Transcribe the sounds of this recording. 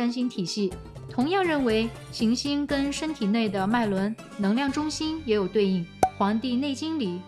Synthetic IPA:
a˥nɕ̬i˥nt̪ʰi˨˩ɕi˥˩ | t̪ʰʊ˧˥ŋjɑ˥˧ŋɻə˥˩nwe˧˥ɪ | ɕi˧˥ŋɕi˥nkə˥nʂə˥nt̪ʰi˨˩ne˥˩ɪd̪ə˩ma˥˩ɪlwə˧˥n | nɤ˧˥ŋljɑ˥˩ŋʈ͡ʂʊ˥ŋɕi˥njɛ˧˥jo˨˩ʊt̪we˥˧ɪi˥˩ŋxwɑ˧˥ŋt̪i˥˧ne˥˩ɪt͡ɕi˥nli˨˩˦

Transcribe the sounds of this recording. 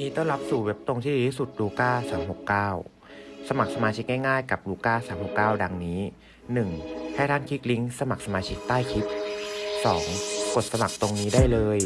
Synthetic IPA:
niː˦˥t̪ɔ˥˩ŋɾa˦˥p̚suː˨˩we˦˥p̚t̪o˧ŋt̪ʰiː˥˩iː˨˧t̪ʰiː˥˩su˨˩t̪̚ɾuː˧kaː˥˩saː˩˦mɦo˨˩kːaː˥˩w | sa˧ma˨˩k̚sa˧maː˧t͡ɕʰi˦˥k̚ŋaː˥˩jŋaː˥˩jka˨˩p̚ɾuː˧kaː˥˩saː˩˦mho˨˩kːaː˥˩wda˧ŋniː˦˥ | nɯ˨˩ŋt̪ʰɛː˦˥˩t̪ʰaː˥˩nkʰi˦˥k̚li˦˥ŋsa˧ma˨˩k̚sa˧maː˧t͡ɕʰi˦˥k̚t̪aː˥˩jkʰi˦˥t̚sɔː˩˦ŋko˨˩t̪̚sa˧ma˨˩k̚t̪o˧ŋniː˦˥daː˥˩jlɤː˧j

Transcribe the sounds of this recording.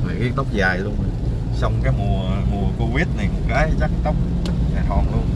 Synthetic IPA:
ɔ˨˩ki˦ənt̪ə˦˥k͡p̚zaː˨˩jlu˧ən˨˩ | sɔ˧wŋ͡mkaː˨˦jmu˨˩əmu˨˩əko˧vi˦˥ət̚na˨˩jm̚˨˩kaː˨˦jt͡ɕa˦˥k̚t̪ə˦˥wk͡p̚ | ɲa˨˩ɦ̪ɔ˧˩nɗu˨˧˦

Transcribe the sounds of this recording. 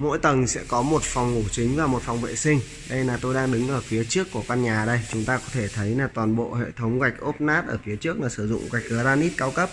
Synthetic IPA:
mo̰˧˥jt̪ə˨˩ŋsɛ̰˧˥kɔ˨˦mo˨˩t̚fɔ˨˩wŋ͡mŋu˧˩t͡ɕï˨˦ŋ̟vaː˨˩mo˨˩t̚fwŋ͡mvḛ˧˨sï˧ŋ̟ | ɗə˧jnaː˨˩t̪o˧jɗaː˧ŋɗɨ˨˦ŋʔəː˧˩fi˨˦ət͡ɕɨ˦˥əkːu˧˩əkwa˧nɲaː˨˩ɗə˧jt͡ɕʊ˨˦ŋ͡mt̪aː˧kɔ˨˦t̪ʰe˧˩t̪ʰə˨˦jlaː˨˩t̪waː˨˩nɓo̰˧˨hḛ˧˨t̪ʰə˨˦wŋ͡mka˨˩jk̟̚ʔo˦˥p̚naː˦˥p̚ʔəː˧˩fi˨˦ət͡ɕɨ˦˥ək̚laː˨˩sɨ˧˩zʊ̰˧˨ŋ͡mɣa˨˩jk̚ɨː˨˩zaː˧nʔi˦˥t̚kaː˨˦wkə˦˥p̚

